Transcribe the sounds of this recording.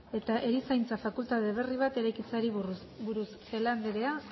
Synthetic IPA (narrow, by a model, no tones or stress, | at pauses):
e̞t̪aʔe̞ɾisajnt͡safakult̪aðe̞β̞e̞riβ̞at̪e̞ɾajkit͡saɾi | buɾusse̞land̪eɾea